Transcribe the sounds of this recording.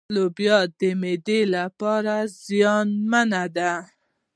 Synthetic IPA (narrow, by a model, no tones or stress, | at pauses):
lobjɑt̪̚d̪əmed̪elapɑɾazjɑnmanad̪a